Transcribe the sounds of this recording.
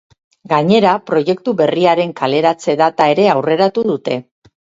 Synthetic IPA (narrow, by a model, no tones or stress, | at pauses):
ɡaɲe̞ɾapɾo̞je̞kt̪uβe̞riaɾe̞ŋkale̞ɾat͡se̞ðat̪ae̞ɾe̞awre̞ɾat̪uðut̪e̞